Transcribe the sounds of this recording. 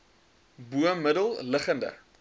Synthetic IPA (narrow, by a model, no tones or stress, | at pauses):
buəmːədəlˠləχəndə̰